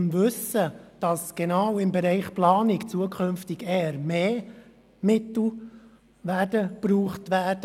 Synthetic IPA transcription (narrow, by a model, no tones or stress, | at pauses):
mʋɵsəd̥ɑsɡ̥ɛnɑwɪmbɛɾɛɪχplɑːnɪkt͡suəkʰɵnftɪɡɛːəɾmeː | mɪtl̩ | ʋædəpɾuːχtʋæːd̥ə